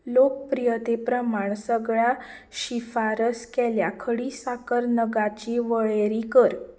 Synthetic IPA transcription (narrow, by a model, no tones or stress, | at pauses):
lok̚pɾijət̪epɾəmaɳ̃səɡɭjãɕifaɾəskɛljakʰəɽisakəɾnəɡat͡ɕiʋəɭeɾikəɾ